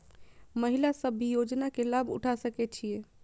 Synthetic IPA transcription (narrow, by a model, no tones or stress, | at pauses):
məɦilasəbʱːijod͡ʒnakelabʱṵʈʰasəkɛt͡ʃʰije